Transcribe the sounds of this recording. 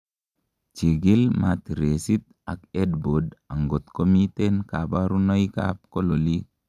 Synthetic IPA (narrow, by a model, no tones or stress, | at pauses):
t͡ʃiɡilmat̪iɾesit̪̚ | akedbodaŋɡot̪komit̪enkabaɾunɔika̰p̚kololi